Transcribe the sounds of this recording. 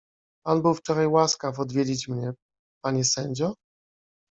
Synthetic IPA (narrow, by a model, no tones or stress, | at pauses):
albɔft͡ʂɔɾajwaskafɔd̪vʲjed͡ʑit͡ɕmɲɛ | paɲɛsɛɲd͡ʑɔ